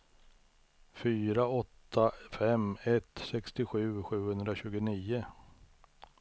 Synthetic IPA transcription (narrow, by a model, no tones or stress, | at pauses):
fyːɾaɔt̪ʰːafɛmɛt̪sɛkst̪ɪɧʉ̟ːɧʉ̟ːhɵnd̪ɾaɕʉ̟ːɡʊniːʊ